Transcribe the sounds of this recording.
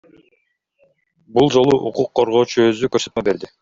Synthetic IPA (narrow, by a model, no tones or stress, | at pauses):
bulˠd͡ʒo̞lˠuʔuquqʰːoɾʁo̞ːt͡ʃuøzykøɾsø̞t̪mebe̞ɾd̪i